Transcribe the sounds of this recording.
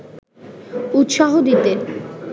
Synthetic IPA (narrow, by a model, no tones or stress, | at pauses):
ut̪ʃaɦod̪it̪e